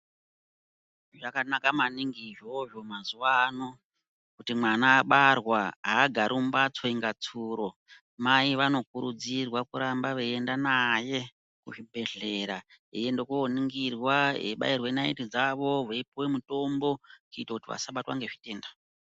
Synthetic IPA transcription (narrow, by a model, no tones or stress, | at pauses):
ʐakanakamaniŋɡiʐo̞ʐo̞mazuʋano̞ | kutimwanaːɓarwaɦaːɡʱaɾʔumbat͡soiŋɡat͡suɾo | maiʋano̞kuɾud͡zirwakuɾambaʋeendanaje̞ | kuʐibʱe̞ɮe̞ɾa | ijendo̞kuoniŋɡirwaɦeɓa̰irwenaḭtid͡zaʋo̞ʋeipuwemuto̞mbo̞kuitakutiʋa̰saɓatwa̰ŋɡe̞ʐite̞ːnda